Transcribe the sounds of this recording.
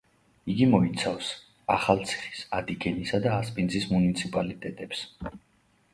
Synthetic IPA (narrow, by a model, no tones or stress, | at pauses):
iɡimɔit̪sʰafs | a̰χalˠt̪sʰi̥χi̥sad̪iɡɛnisad̪aːspʼind̪zismunit̪sʰipʼalit̪ʼɛt̪ʼɛps